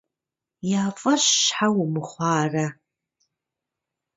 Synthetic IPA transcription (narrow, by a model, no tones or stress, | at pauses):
jaːfʼɐɕːħawmɨχʷɑːrɐ